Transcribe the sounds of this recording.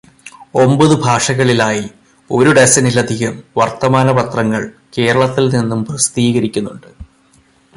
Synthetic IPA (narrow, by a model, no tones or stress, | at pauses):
o̞mbɐðɨbʱaːʂɐɣɐɭilaːji | o̞ɾuɖesɐnilɐd̪ʱiɣɐmʋɐrt̪ɐmaːnɐpɐt̪rɐŋːɐɭ | ke̞ːɾɐɭɐt̪ːilninːumprɐst̪iːɣɐɾikʲːunːuɳɖɨ